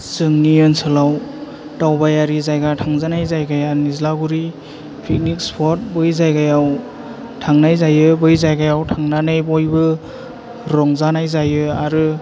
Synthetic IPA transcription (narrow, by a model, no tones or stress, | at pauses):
sɯŋnijɔnsʰɯlaw | tawbajaɾizajɡatʰaŋzanajzajɡajanizlaɡuɾi | pʰik̚nik̚spʰɔt̚bɯjzajɡajaw | tʰaŋnajzajɯbɯjzajɡajawtʰaŋnanajbɔjbɯ | ɾɔŋzanajzajɯaɾɯ